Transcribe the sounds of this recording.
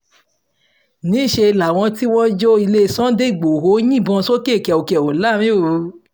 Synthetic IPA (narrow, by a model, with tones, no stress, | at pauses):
nĩ˨˦˨ʃe˧i˧la˨w̃ɔ̃˧ti˦w̃ɔ̃˦d͡ʒo˦i˧le˦˧˨sɔ̃˦de˦i˨ɡ͡bo˨ho˨˦jĩ˦˨bɔ̃˧so˦ke˦˨kɛ˨o˨kɛ˨o˨la˦ɾ̃ĩ˦o˦˨u˨˧